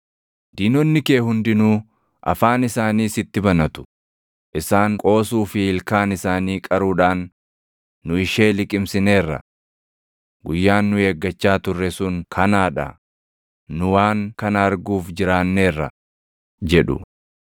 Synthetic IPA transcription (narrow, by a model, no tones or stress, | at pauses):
d̪iːnɔnːɪke̞ːhʊnd̪ɪnuː | ʔɐ̰faːnɪsaːniːsɪt̪ːɪbɐnɐt̪ʊ̥ | ʔɪsaːŋkʼo̞ːsuːfɪɪlkaːnɪsaːniːkʼɐɾuːᶑaːnː | ʊɪʃe̞ːlɪkʼɪmsɪne̞ːrːɐ̰ | ɡʊjːaːnːʊe̞ːɡːɐt͡ʃːaːt̪ʊrːɛsʊŋkʰɐnaːᶑɐ̰ | nʊwaːŋkɐnɐɐɾɡuːfd͡ʒɪɾaːnːe̞ːrːɐ̰ | d͡ʒɛᶑʊ̰